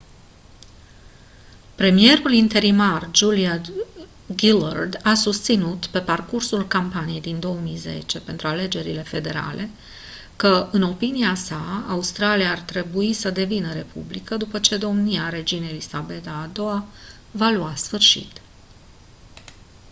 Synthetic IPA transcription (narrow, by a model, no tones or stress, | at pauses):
pɾe̞mije̞ɾulint̪e̞ɾimard͡ʒulia | ɡila̰rd̪asust̪sinut̪pe̞parkursulkampanije̞jd̪ind̪o̞əmijze̞̰t͡ʃe̞pe̞nt̪ɾuale̞d͡ʒe̞ɾile̞fe̞d̪e̞ɾa̰lʔe̞ | kəɨno̞piniasaaust̪ɾaliaːrt̪ɾe̞buisəd̪e̞vinəɾe̞pṵblikəd̪upət͡ʃe̞d̪o̞mniaɾe̞d͡ʒinelisabe̞d̪aːd̪o̞a | valuasfɨrʃḭt̪